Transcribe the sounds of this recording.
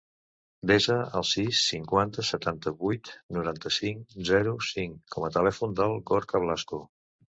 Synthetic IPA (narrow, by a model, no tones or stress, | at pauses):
d̪ezəə̰lˠsisːiŋkwant̪əsət̪ant̪əβujt̪nuɾant̪əsiŋzɛɾusiŋkɔmət̪əlɛfund̪əlˠɣoɾkəβlasku